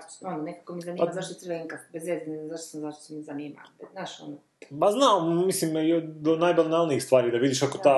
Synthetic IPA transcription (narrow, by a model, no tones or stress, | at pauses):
onnekakomizaniːazaʃt̪ot̪ɾʋeiŋkafbezezinezaʃt̪o̥samzaʃt̪o̥smizaniːma̰benaʃono | paznaomislimd̪onaːjbalˠinalˠniixst̪ʋaːɾid̪aʋid̪iːʃkakot̪aː